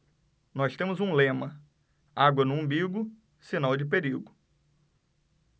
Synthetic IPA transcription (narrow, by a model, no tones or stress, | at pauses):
nɔst̪ẽmʊzũlẽmɐ | aɡwɐnʊ̃ɐ̃mbiɡʊ | sinawd͡ʒɪp̬eɾiɡʊ